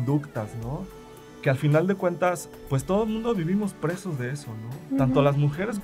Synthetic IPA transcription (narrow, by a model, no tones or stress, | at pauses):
nd̪ukt̪asno̞ | kealfinald̪e̞kwe̞nt̪as | pwe̞st̪o̞ðomũnd̪oβiβ̞imo̞spɾe̞so̞zðe̞eso̞no̞t̪ant̪olazmuxe̞ɾes